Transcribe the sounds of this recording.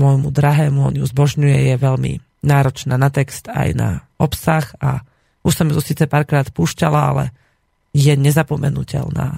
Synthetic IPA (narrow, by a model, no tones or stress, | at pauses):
mɔjmud̪ɾaɦɛːmuɔ̰ɲuzbɔʒɲujɛjɛʋɛʎmḭ | naːɾɔt͡ʃnaːnat̪ɛkst̪a̰jna̰ɔpsaxa | uʃsɔmt̪ɔsiːt͡sɛpaːɾkɾaːt̪puːʃcalaa̰lɛ̰ | jɛɲɛzapɔmɛnṵcɛ̰lna̰ː